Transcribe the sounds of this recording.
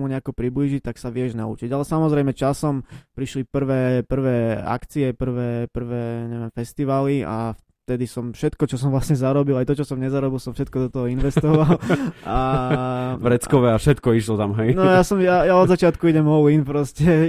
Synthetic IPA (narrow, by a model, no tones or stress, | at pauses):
muɲɛakɔpɾibliːʒic̚t̪aksaʋɪɛʒna̰ṵt͡ʃiɟalɛsamɔzɾɛjmɛt͡ʃasɔmpɾiʃlipr̩ʋɛːpr̩ʋɛːa̰kt͡siɛpr̩ʋɛːpr̩ʋɛːɲɛʋɪɛmfɛst̪iʋalia̰f | t̪ɛd̪isɔmfʃɛt̪kɔt͡ʃɔs̬ɔmʋlasɲɛzaɾɔbilajt̪ɔt͡ʃɔsɔmɲɛzaɾɔbilˠsɔmfʃɛt̪kɔd̪ɔt̪ɔɦɔinʋɛst̪ɔʋalˠa | vɾɛt͡skɔʋɛafʃɛt̪kɔiʃlɔt̪amɦɛjnɔjasɔmjajaɔd̪zat͡ʃɪat̪kuiɟɛmɔlinpɾɔscɛ